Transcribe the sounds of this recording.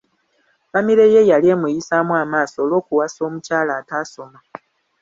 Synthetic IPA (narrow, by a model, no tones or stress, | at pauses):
βamiɾe̞je̞jalie̞mujisamwaːmaːso̞ːlo̞ːkuwaso̞ːmucaːlaːtaːso̞ma